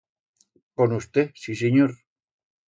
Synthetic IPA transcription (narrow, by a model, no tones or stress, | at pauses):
konust̪esiseɲoɾ